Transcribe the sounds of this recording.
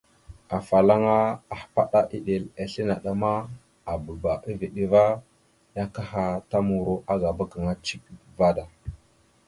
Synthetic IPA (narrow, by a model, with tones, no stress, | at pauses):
a˨fa˨la˦ŋa˦a˨hpa˦ɗa˦ʔi˦ɗe˨la˨ɬi˦na˨ɗa˦ma˦ | a˨bə˨ba˨ʔi˦vi˨ɗi˦va˦ | ja˦ka˦ha˨ta˦mu˨ɾo˦ʔa˦ɡa˨ba˦ka˨ŋa˦t͡ʃi˦k̚va˦da˨